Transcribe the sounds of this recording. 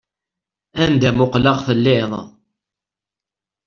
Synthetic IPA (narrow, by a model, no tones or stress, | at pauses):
ænd̪æmʊqləʁθəlːɪðˤ